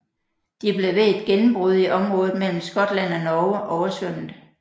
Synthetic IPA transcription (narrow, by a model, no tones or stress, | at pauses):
d̥ib̥le̝ʋe̝ed̥ɡ̥enm̩b̥ʁuð̞̩ˠiʔɒ̽mʁɔ̽ːð̩ˠmel̰m̩sɡ̥ɒ̽d̥læn̰ɒnɒʊʔɒʊɐsøn̰̩